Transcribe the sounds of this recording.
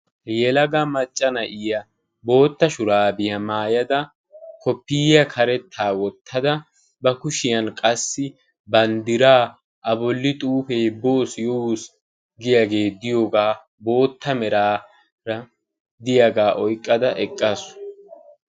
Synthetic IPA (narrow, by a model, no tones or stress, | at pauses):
jɛlɐɡɐmɐt͡ʃʼːɐnɐʔɪjɐ | bo̞ːt̪ːɐʃʊɾaːbɪjɐmaːjɐd̪ɐ | kʰɔpːɪːjɐkʰɐɾɛt̪ʰːaːwɔt̪ʰːɐd̪ɐ | bɐkʊʃɪjɐnkʼɐsːɪ | bɐnd̪ɪɾaː | ʔɐbɔlːɪt̪ʼuːfeːbo̞ːsjɔus | ɡɪjɐɡe̞ːd̪ɪjoːɡaː | bo̞ːt̪ʰːɐmɛɾaː | ɾɐ | d̪ɪjɐɡaːʔɔjkʼːɐd̪ɐʔɛkʼːasʊ̥